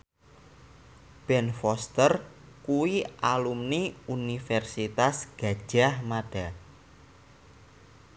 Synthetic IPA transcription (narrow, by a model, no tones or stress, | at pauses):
b̥ɛnfɔst̪ər | kuwiʔalumniunifɛrsit̪asɡ̥a̤d̥ʒ̥a̤hmaɖ̥a̤